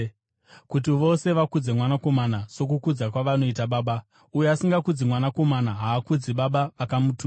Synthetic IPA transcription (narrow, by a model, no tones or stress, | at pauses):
kut̬iʋo̞se̞ʋakud͡ze̞mwanako̞manaso̞k̬ukud͡zakwaʋano̞it̬aɓaːɓa | ujeasiŋɡakud͡zimwanako̞manaɦaːkud͡ziɓaɓaʋakamutu